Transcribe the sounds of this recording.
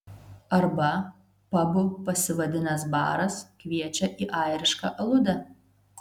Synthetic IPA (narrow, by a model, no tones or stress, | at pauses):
ɐɾbɐ | pɐbʊpɐsʲɪʋɐd̪ʲɪnɐsbɑ̰ːɾɐskʋʲiɛt͡ʃʲɛʔiʔɑːjɾʲɪʃkɐ̰ːʔɐlˠʊd̪ɐ